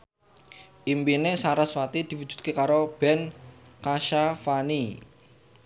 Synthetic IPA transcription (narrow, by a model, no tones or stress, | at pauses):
ʔimpinesaɾasfat̪id̪̥i̤wudd͡ʒ̥ṳ̥t̪̚kekaɾob̥ɛnkaʃafani